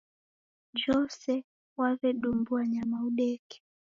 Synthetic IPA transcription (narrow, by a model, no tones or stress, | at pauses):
d͡ʒɔsɛ | wavɛɗumbuaɲamauɗɛkɛ̥